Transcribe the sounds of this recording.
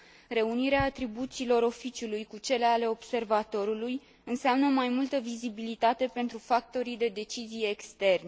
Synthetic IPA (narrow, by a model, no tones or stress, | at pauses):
ɾe̞uniɾeaːt̪ɾibut̪silo̞ɾo̞fit͡ʃulujkut͡ʃe̞le̞ale̞o̞b̥se̞rvat̪o̞ɾuluj | ɨnseamnəomajmult̪əvizibilit̪at̪e̞pe̞nt̪ɾufak̚t̪o̞ɾid̪e̞d̪e̞t͡ʃizije̞kst̪e̞rne